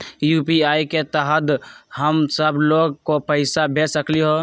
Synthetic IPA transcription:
jupiaiket̪əɦəd̪ɦəmsəbʱloɡkopəɪsabʱesəkliɦo

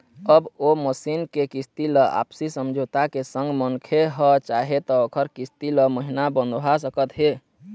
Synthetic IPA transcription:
əboməsinkekist̪iləʔa̰psisəmd͡ʒʱot̪akesəŋɡmənkʰeɦət͡ʃaɦet̪ɔokʰəɾkist̪iləməɦinabənd̪ʱɦasəkət̪ɦe

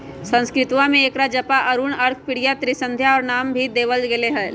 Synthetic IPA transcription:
sə̃ñskɾɪt̪wãmẽeːkɾad͡ʒɐpaʔɐɾuɳəɾkʰpɪɽijat̪ɾisə̃nd̪ʱjaɔːɾnaːmbʱid̪eːʋəld͡ʒɡeleɦɛː

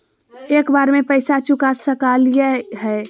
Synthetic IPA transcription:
eːkbaːɾmẽpəɪsat͡ʃʊkasəkaljəɦɛ

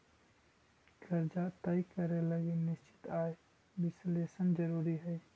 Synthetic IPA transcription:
ɡʰɐɾd͡ʒat̪ɐikəɾeləɡenɪst͡ʃɪ̥t̪aːe | bɪsleːsənd͡ʒəɾuːɾiɦɛ

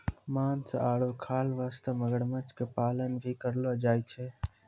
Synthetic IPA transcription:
maːnsəaːɽokʰaːlʋaːst̪əməɡəɽmət͡ʃkepaːlənbʱikəɾləd͡ʒaːit͡ʃʰɛ

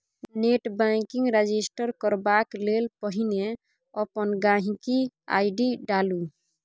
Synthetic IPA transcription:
neʈbakiŋɡɾed͡ʒisʈəɾkəɾbaklelpəɦine | ɔpənɡãɦĩkia̰ɪɖiɖalu

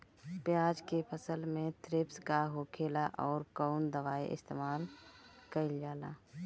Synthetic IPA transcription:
pjaːd͡ʒkepʰəsəlmẽt̪ɾɪpskaɦoːkʰeːlaʔɔːɾkɔʊnd̪əʋaːḭʔɪ̰st̪eːmaːlkəɪld͡ʒaːla̰ː

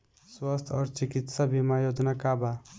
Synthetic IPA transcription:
swast̪ʰɔɾt͡ʃikit̪sabimajod͡ʒnakaba

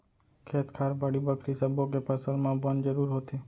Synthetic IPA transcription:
kʰet̪kʰaɾbaɽibəkʰɾisəboɡepəsəlmãbənd͡ʒəɾuɾɦot̪ʰe

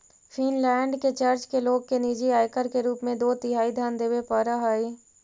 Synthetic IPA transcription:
fʰinlɛ̃ːɳɖket͡ʃɐɾt͡ʃkeloːɡkeniːd͡ʒiaːjkəɾkeɾuːpmẽd̪oːt̪ɪɦaːid̪ʱjaːnd̪eːʋepəɾaɦaːi

